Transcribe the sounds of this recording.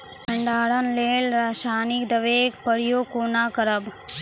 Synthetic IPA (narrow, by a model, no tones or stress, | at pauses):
ɐɳɖaːɽɐnleːlɾaːʃaːnikd̪ɐʋeːkpəɾijoːkoːnaːkɐɾəb